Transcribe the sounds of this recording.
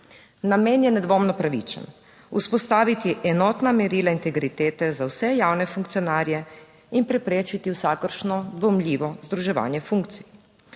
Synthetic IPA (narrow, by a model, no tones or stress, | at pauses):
nameːnjɛnɛd̪ʋoːmnɔpɾaʋḭt͡ʃə̰n | uspɔst̪aːʋit̪iʔɛnɔːt̪namɛɾiːlaint̪ɛɡɾit̪eːt̪ɛzawsɛjaːwnɛfuŋkt̪sijɔnaːɾjɛ | inpɾɛpɾeːt͡ʃit̪iwsaːkəɾʃnɔd̪ʋɔmlʲiːʋɔzd̪ɾuʒɛʋa̰ːnjɛfuŋkt̪sij